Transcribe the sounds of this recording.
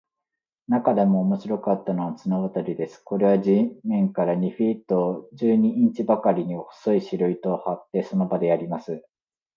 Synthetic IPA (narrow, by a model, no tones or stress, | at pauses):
nakad̪e̞mo̞ːmo̞ɕiɾo̞kat̪ːano̞βat͡sɨnaβat̪aɾʲid̪e̞sɨ̥ko̞ɾe̞βaʑimẽ̞ŋkaɾaɲ̟iɸʲit̪ːod͡ʑɨːɲ̟iʔĩɲ̟t͡ɕibakaɾʲiɲ̟ioho̥soiɕiɾɯ̟it̪o̞hat̪ːe̞so̞no̞bad̪e̞aɾʲimasɨ